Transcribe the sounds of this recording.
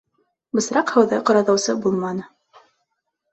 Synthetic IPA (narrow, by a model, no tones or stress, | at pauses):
bɤ̆sɾɑqhɤ̆wðɤqŏɾɑðɑ̆wsɤbulˠmɑnɤ